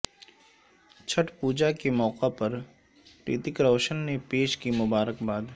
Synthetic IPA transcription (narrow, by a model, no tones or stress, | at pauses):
t͡ʃʰəʈpuːd͡ʒakemɔːqapɐɾ | pɾḭːt̪ɪkɾɔːʃənːepeːʃkimʊbaːɾəkbaːd̪